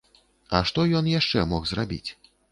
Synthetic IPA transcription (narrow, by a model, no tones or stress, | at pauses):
ɐ̰ʂt̪ɔjɔnjaʂt͡ʂɛmɔxzrabʲḭt͡sʲ